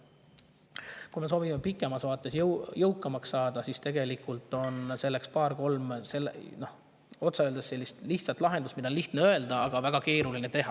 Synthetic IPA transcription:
kujme̞s̬o̞ːvimepikːˑemɑsvɑːt̪ːˑe̞sjjɤwkːˑɑmɑksːɑːd̪̥ɑsist̪e̞ɡ̥e̞likːˑult̪ːˑo̞nse̞lːe̞kspɑːrko̞lmse̞lːno̞h | o̞t̪sɑøld̪esse̞lːist̪liçht̪sɑt̪ːˑlɑɦe̞nd̪ust̪mid̪ɑonliht̪neøeld̪ɑɑɡ̥ɑvæɡ̥ɑke̞ːɾulinet̪e̞ɦɑ

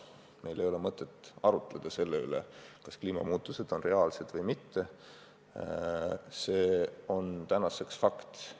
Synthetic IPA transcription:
me̞jle̞jo̞le̞mɤt̪ˑːe̞t̪ːˑɑɾut̪ːˑle̞d̪̥ɑse̞lːey̰lḛkɑskliːmɑ̰muːt̪ːˑuse̞d̪̥o̞nre̞ɑːlse̞d̪̥vɤjmit̪ːe̞ | se̞ːo̞nt̪ænɑse̞ksfɑkt̪

